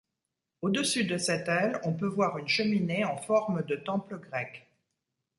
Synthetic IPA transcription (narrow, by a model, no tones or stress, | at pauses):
od̪əsyd̪əsɛt̪ɛlɔ̃pøvwaʁynʃəmineɑ̃fɔʁməd̪ət̪ɑ̃pləɡʁɛk